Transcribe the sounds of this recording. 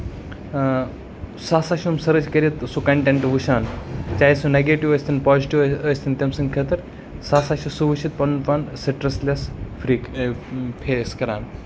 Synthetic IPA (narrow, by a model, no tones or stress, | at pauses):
saːsaːʃumsɐɾɨd͡ʒkɐɾʲit̪sukɐɳʈẽɳʈʋuʃaːnt͡ʃaːjsuneɡeːʈiʋɐsʲt̪ʰinpaːziʈiʋɐsʲt̪ʰint̪ʲɐmsɨŋkʰet̪ɨɾ | saːsaːʃisuʋuʃit̪̚pɐnpɐnsɐʈɾɐslʲɐsfɾik | pʰeːskɐɾaːn